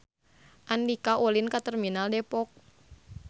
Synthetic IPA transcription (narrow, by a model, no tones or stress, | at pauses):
ʔandikaʔolinkat̪ɛrminaldɛpɔk̚